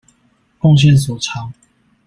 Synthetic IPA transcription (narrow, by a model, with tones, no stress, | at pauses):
fɔ˥˧ŋɕ̬jɛ˥˨ns̬ɔ˨˩t͡sʰɑ˨˦ŋ